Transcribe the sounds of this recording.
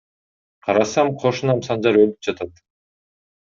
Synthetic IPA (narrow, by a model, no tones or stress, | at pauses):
qʰɑɾɑsɑmqʰo̞ʃunɑmsɑnd͡ʒɑɾølyp̚d͡ʒɑt̪ɑt̪